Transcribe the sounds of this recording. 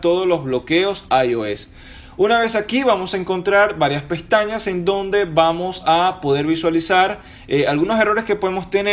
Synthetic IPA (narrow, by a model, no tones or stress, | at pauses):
t̪o̞ðolo̞zβlokeo̞sajoes | unaβe̞sakiβamo̞saeŋko̞nt̪ɾaɾbaɾjaspe̞st̪aɲase̞nd̪o̞nd̪e̞βamo̞sapo̞ðe̞ɾβiswalisaɾ | ealɣunos̬e̞ro̞ɾeske̞po̞ðemo̞st̪ene